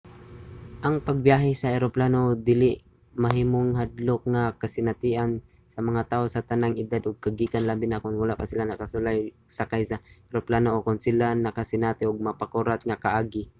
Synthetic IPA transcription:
ʔaŋpaɡ̚bjaːɦɪsaʔɛɾoplaːnod̪ɪlɪʔ | mɐɦiːmoŋɦad̪lʊk̚ŋakasɪnat̪iʔan | sɐmɐŋat̪aːʔosat̪anaŋɪd̪ad̪ʊɡ̚kaɡikanlabɪnakʊnwalaʔpasɪlanɐkasʊlajsakajsaɛɾoplaːnoʔokʊnsɪlanɐkasɪnaːt̪ɪʔʊɡ̚mɐpakuɾat̪̚ŋakaʔaːɡɪ

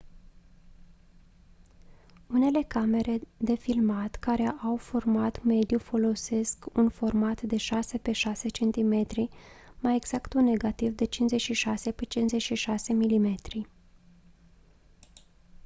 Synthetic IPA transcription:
une̞le̞kame̞ɾe̞d̪e̞filmat̪kaɾe̞ʔawformat̪me̞d̪jufo̞lo̞se̞skunfo̞rmat̪d̪e̞ʃase̞pe̞ʃase̞t͡ʃe̞nt̪ime̞t̪ɾimajeɡz̥akt̪une̞ɡat̪ivd̪e̞t͡ʃinze̞t͡ʃʃiʃase̞pet͡ʃinze̞t͡ʃʃiʃase̞milime̞t̪ɾi

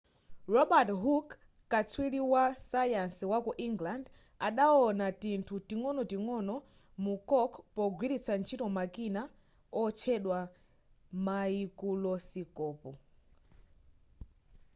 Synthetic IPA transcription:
ɹɔɓatɦukː | at͡sʰwiliwasajanswakɔʔiŋɡland | aɗaɔnatintʰutiŋɔnɔtiŋɔnɔ | mukɔkʰpɔɡwiɾit͡sʰant͡ʃʰitɔmakina | ɔt͡ʃʰɛɗwa | maikulɔsikɔːpɔ

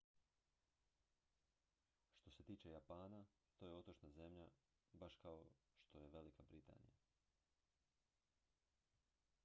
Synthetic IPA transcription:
ʃt̪o̞se̞t̪iːt͡ʃe̞japaːna | t̪oje̞o̞t̪ot͡ʃnaze̞mʎa | baʃkaoʃt̪o̞je̞ʋe̞likabɾit̪a̰ːnḭja̰

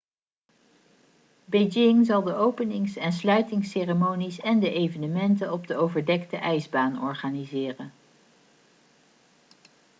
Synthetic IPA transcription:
bejd͡ʒɪŋzɑlˠdəʔowpənɪŋsɛns̬lœɥtɪŋseːremownisɛndəʔejvənəmɛntənɔb̚dəowvəɹdɛktəʔɛjzbaːnɔ̰ɹχaːnizɪːrən

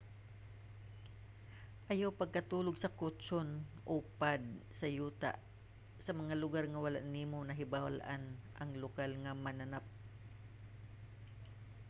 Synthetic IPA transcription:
ʔɐjawpɐɡ̚kɐt̪uːloɡsɐkʊt̪t͡ʃonʔopad̪̚sɐjuːt̪a̰ʔ | sɐmɐŋalʊɡaɾŋɐwɐla̰ʔniːmonɐɦɪbalʔanʔɐŋlʊkalŋɐmɐnɐnap̚

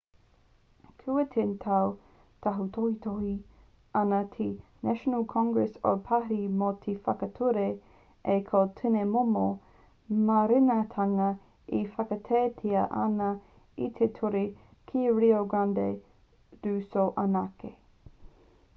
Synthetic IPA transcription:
kʰuətʰentʰaw | tʰaɦut̪ʰohit̪ʰohi | ɐnɐtʰinæʃonəlkʰɔ̃ŋɡɹɛso̰pʰaɾimot̪ʰefɐkɐtʰuɾe | ekʰotʰɪnemomo | mɐɾɪnɐtʰaŋɐ | ifɐkɐtʰeːtʰiɐʔɐ̰nɐ | it̪ʰetʰuɾi | kʰiɾioɡande | d̥ʉːsoʔɐnake

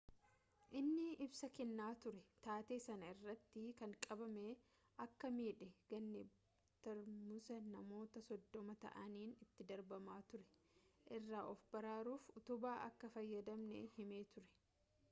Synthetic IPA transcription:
ʔɪnːɪʔɪbsɐkɛnːaːt̪ʊɾɛt̪aːt̪e̞ːsɐnɐɪrːɐt̪ːɪkɐŋkʼɐbɐme | ɐkːɐmiːᶑɛɡ̥ɐnːɛ | t̪ɐɾmʊsɐnɐmo̞ːt̪ɐsɔd̪ːɔmɐt̪ɐ̰ʔɐniːnɪt̪ːɪd̪ɐɾbɐmaːt̪ʊɾɛ̥ | ʔɪrːaːʔɔfbɐɾaːɾuːfʊt̪ʊbaːʔɐkːɐfɐjːɐd̪ɐmnɛ̰hɪmeːt̪ʊɾɛ̥

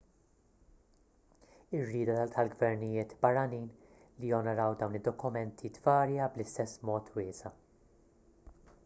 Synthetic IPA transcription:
ɪrːiːd̪ɐɐt̪ʰɐlɡvɛɾnɪjɪːt̪bɐrːɐniːn | lijɔnɔɾɐwd̪ɐwnɪd̪ːɔkʊmɛnt̪ʰid̪vɐːɾjɐblɪst̪ɛsːmɔːt̪ʰwɪːsɐ

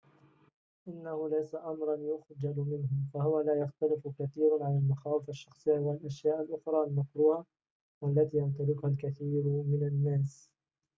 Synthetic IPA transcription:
ʔɪnːahʊlajsaʔamɾˤɑnjʊxd͡ʒalʊmɪnhʊmfahʊwalaːjaxt̪alɪfkaθiːɾʕalalmaxaːwɪfaʃːɑxsˤɨjːawalʔaʃjaːʔalʔʊxɾˤɑːalmakɾuːha | walːat̪iːjant̪̬ɑlɪkʊhalkaθiːɾmɪnanːaːs

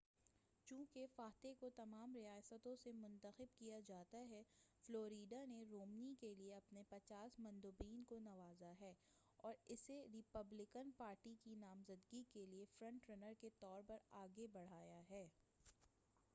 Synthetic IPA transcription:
t͡ʃũːkefaːt̪ekot̪ɐmaːmɾɪjaːsət̪õsemʊ̃nt̪əxɪbkijad͡ʒaːt̪aɦɛfloːɾiːɖaneɾoːmnikelieɐpnepɐt͡ʃaːsmɐ̃nd̪uːbiːnkonɐʋaːzaɦɛː | ɔːɾɪseɾɪpɐblɪkənpaːɾʈikinaːmzəd̪ɡikeliefɾɐ̃ɳʈɾɛnəɾket̪ɔːɾpɐɾaːɡebɐɽ̤aːjaɦɛː

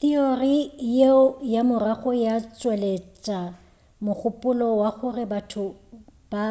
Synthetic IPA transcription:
t̪iorijeʊjamʊraχɔjat͡sʼwelet͡ʃʼa | mʊk͡xʊpʼʊlɔwaχʊrɪbatʰʊ | b̥a

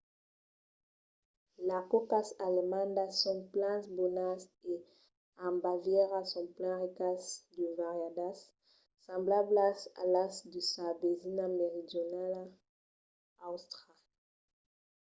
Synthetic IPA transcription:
lakokasalemãnd̪asɔ̃ŋplãnsbonase | ãmbavjɛʁasɔ̃mplãʁikasd̪əvaʁjad̪asː | ãmblablasa̰lasd̪əsabezinameʁid̪jonala | awst̪ʁala

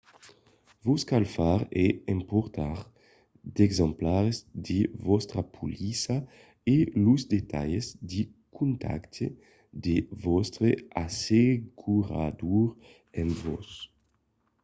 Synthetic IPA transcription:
vuskalfaʁɛɛ̃mpoɾt̪aʁ | d̪ɛɡzɑ̃mplaɾezd̪evɔst̪ɾapʰulisa | eluzd̪et̪a̰ʎezd̪i | kũnt̪ʰa̰kt̪ʰe | d̪evɔst̪ɾeaseɡuɾa̰d̪uɾ | ɛ̃nvɔs

